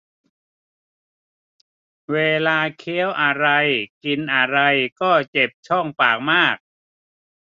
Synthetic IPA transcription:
weː˧laː˧kʰeː˦˥əwʔa˧ɾa˧jki˧nʔa˧ɾa˧jkɔː˥˩t͡ɕe˨˩p̚t͡ɕʰɔ˥˩ŋpaː˨˩k̚maː˥˩k̚

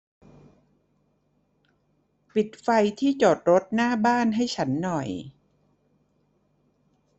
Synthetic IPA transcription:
pi˨˩t̪̚fa˧jt̪ʰiː˥˩t͡ɕoː˨˩t̪̚ɾo˦˥t̪̚naː˥˩baː˥˩nɦa˥˩jt͡ɕʰa˦˥nːɔ˨˩j

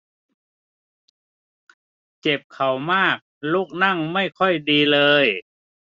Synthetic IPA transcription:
t͡ɕe˨˩p̚kʰa˨˩wmaː˥˩k̚lu˦˥˩k̚na˥˩ŋma˥˩jkʰɔ˧˥˩jdiː˧lɤː˧j

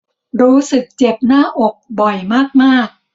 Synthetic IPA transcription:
ɾuː˦˥sɯ˨˩k̚t͡ɕe˨˩p̚naː˥˩ʔo˨˩k̚bɔ˨˩jmaː˥˩k̚maː˥˩k̚

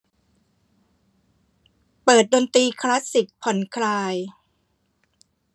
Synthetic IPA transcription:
pɤː˨˩t̪̚doː˧nt̪iː˧kʰla˦˥si˨˩k̚pʰɔ˨˩˦nkʰɾaː˧j

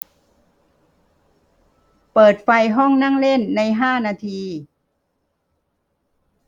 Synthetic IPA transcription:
pɤː˨˩t̪̚fa˧jɦɔ˥˩ŋna˥˩˨ŋle˥˩˨nːa˧˥jɦaː˥˩naː˧t̪ʰiː˧

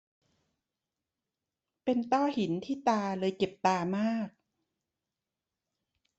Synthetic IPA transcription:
pe˧nt̪ɔː˥˩hi˨˩˦nt̪ʰiː˥˩t̪aː˧lɤː˧jke˨˩p̚t̪aː˧maː˥˩k̚

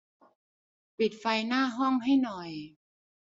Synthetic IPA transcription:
pi˨˩t̪̚fa˧jnaː˥˩ɦɔ˥˩ŋɦa˥˩jnɔ˨˩j

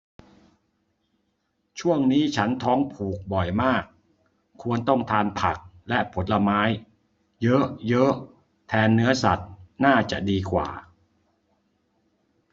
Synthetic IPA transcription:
t͡ɕʰu˥˩əŋniː˦˥t͡ɕʰa˦˥nt̪ʰɔː˦˥ŋpʰuː˨˩k̚bɔ˨˩jmaː˥˩k̚ʰː | u˧ənt̪ɔ˥˩ŋt̪ʰaː˧npʰa˨˩k̚ | lɛ˦˥ʔpʰo˨˦n̚la˧maː˦˥j | jɤ˦˥ʔjɤ˦˥ʔ | t̪ʰɛː˧nːɯ˦˥ɐsa˨˩t̪̚naː˥˩t͡ɕa̰˨˩ʔdiː˧kʰwa̰ː˨˩

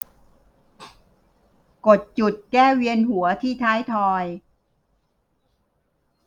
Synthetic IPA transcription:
ko˨˩t̪̚t͡ɕu˨˩t̪̚kɛː˥˩wi˧ənɦu˨˩˦ɐt̪ʰiː˥˩t̪ʰaː˦˥jt̪ʰɔː˧j

